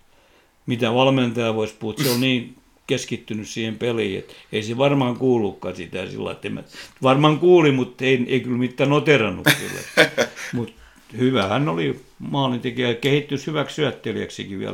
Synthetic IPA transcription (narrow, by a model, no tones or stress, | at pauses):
mit̪æʋɑlment̪ɑjɑʋoispuhut̪seolniːn | keskit̪ːynyssiːhempelihiḛt̪eiseʋɑrmɑɑŋkuːlːˑukːɑsit̪æˑsḭlːɑ̰it̪ːemæ̰ʋɑrmɑŋkuːlimut̪eiḛikylmit̪ːænot̪eˑrɑnːṵky̰lːḛt̪ːmut̪ | hyʋæhænːolimɑːlint̪ekiækehit̪ːynshyʋækssyæt̪ːeliæ̰ksikiʋḭæ̰l